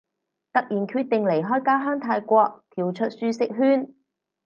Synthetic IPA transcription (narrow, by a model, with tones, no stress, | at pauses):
t̪ɐ˥k̚jiː˨˩nkʰyː˧t̚t̪ɪ˨ŋle˨˩jɦɔː˥jkaː˥ɦœː˥ŋt̪ʰaː˧jkʷɔː˧k̚t̪ʰiː˨˩wt͡ʃʰɵ˥t̚syː˧sɪ˨k̚ɦyː˥n